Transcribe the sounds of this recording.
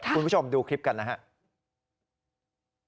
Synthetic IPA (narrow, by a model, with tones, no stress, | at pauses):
u˧npu˥˩o˧mduː˧kʰɾi˦˥p̚ka˧nːa˦˥ɦa˦˥ʔ